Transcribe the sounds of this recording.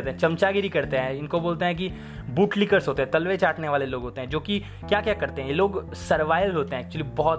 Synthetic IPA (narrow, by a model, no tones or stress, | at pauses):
t̪eɦɛ̃t͡ʃɐmt͡ʃaɡɪɾikɐɾt̪eɦɛ̃ɪnkoboːlt̪eɦɛ̃k̬i | buːʈlɪkəɾzɦoːt̪eɦɛ̃t̪ɐlʋet͡ʃaːʈneʋaːleloːɡɦoːt̪eɦɛ̃d͡ʒoːki | kjaːkjaːkɐɾt̪eɦɛ̃jeloːɡ | sɐɾʋaːɪʋlɦoːt̪eɦɛ̃ːk̚t͡ʃuəlibɐɦɔt̪